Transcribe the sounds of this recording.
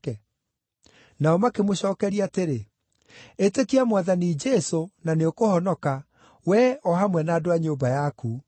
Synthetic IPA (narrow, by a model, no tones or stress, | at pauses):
ɛ | naɔmakemoɕɔːkɛɾiateɾe | etekiamwaðanid͡ʒɛsonaneokohɔnɔka | wɛɔɦamwɛnaːdoaɲobajaku